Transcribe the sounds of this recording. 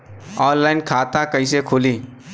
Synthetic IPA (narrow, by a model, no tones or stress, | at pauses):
ɔːnlaːɪnkʰaːt̪akɐisekʰʊːliː